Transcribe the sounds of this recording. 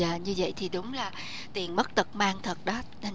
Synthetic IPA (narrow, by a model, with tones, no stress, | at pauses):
aː˨˩ɲɨ˧və̰˧˨jt̪ʰi˨˩ɗʊ˨˦ŋ͡mlaː˨˩ | t̪i˨˩ənmə˦˥t̚t̪ə˨˩t̚maː˧ŋt̪ʰə˨˩t̚ɗɔ˨˦ | ɗa˧